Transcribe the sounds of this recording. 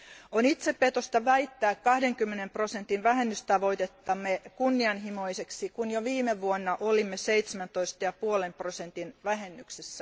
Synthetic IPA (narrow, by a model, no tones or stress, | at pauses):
onit̪seppet̪ost̪ɑʋæit̪ːæːkkɑhdeŋkymːenemprosent̪inʋæɦenːyst̪ɑʋo̞it̪et̪ːɑmːekunːiɑnɦimoiseksikunjoʋiːmeʋuonːɑʔolimːeseit̪semænt̪oist̪ɑjɑpuolemprosent̪inʋæɦenːyksesːæ